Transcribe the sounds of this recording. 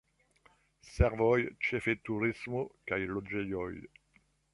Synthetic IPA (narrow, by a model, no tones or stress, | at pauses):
sɛʁvɔjt͡ʃefet̪uʁismokajlod͡ʒejɔj